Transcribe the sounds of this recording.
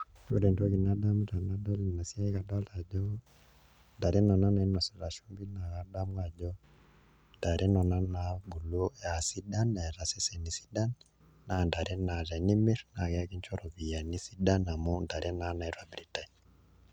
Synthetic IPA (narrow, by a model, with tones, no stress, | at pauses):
ko˦ɾɛ˨ndo˦ki˨na˦da˦m˦ɾa˨na˦dɔ˦lna˨sja˦i˦ka˨da˦la˨d͡ʒɔ˦ | nda˨ɾe˦nɔ˨na˦na˨i˦na˨sɛ˨ɾa˨ʃu˦mbi˦na˨ka˦da˦mwa˨d͡ʒɔ˦ | nda˨ɾe˦nɔ˨na˦na˨bu˨lo˦ja˨si˦da˦na˨ɛ˨ɾa˨sɛ˦sɛ˨ni˨si̥˦da˦nː | a˨nda˨ɾɛ˦na˨lɛ˨ni˦mi˦ɾna˨kɛ˦ki˦ɲt͡ʃɔ˦ɾɔ˨βi˨ja˨ni˦si˦da˦na˨mɔ˦nda˨ɾe˦na˦na˨ɛ˦ɾwa˦bɾi˨ta˨n